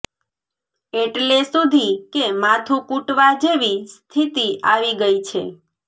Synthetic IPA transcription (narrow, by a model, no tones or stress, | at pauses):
eʈlesud̪ʱikemat̪ʰũkuʈʋad͡ʒeʋist̪ʰit̪iaʋiɡəit͡ʃʰe